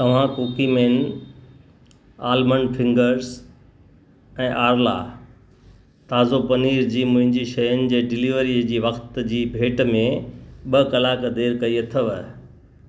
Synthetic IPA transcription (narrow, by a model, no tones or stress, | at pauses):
t̪ɐʋ̤ãkoːkimeːn | aːlmənfʰɪ̃ŋɡəɾz | ɛ̃ːʔaːɾla̰ | t̪aːzopɐniːɾd͡ʑiːmʊ̃ɦɪ̃ɲd͡ʑiʃɐjʊnɪ̆d͡ʑeːɖɪliʋəɾiːəd͡ʑiːʋɐxt̪d͡ʑiːbʱeːʈmẽɓɐkɐlaːkd̪eːɾkɐiet̪ʰəʋ